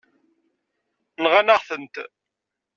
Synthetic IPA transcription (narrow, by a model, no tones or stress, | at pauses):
nʁanaʁθənt̪